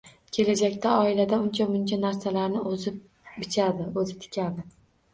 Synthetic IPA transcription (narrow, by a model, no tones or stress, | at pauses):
kʲʰe̞lad͡ʒakʲt̪ʰaɒɪlad̪aʊnt͡ʃʰamʊnt͡ʃʰanaɾsalaɾnɪozɪp̚ | bɪt͡ʃʰad̪ɪɵzɪp̚t̪ʰɪ̥kʲad̪ɪ